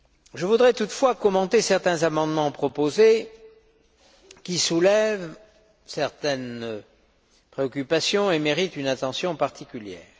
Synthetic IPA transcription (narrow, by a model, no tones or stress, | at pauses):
ʒəvud̪ʁɛt̪ut̪fwakɔmɑ̃t̪esɛʁt̪ɛ̃zamɑ̃d̪mɑ̃pχɔpoze | kʲisulɛv | sɛʁt̪ɛn | pχeɔkʲypasjɔ̃emeʁit̪ynat̪ɑ̃sjɔ̃paʁt̪ikʲyljɛ̰ːʁ